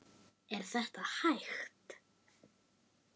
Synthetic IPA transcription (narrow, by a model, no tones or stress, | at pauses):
ɛɾ̥θɛht̪ahajxt̪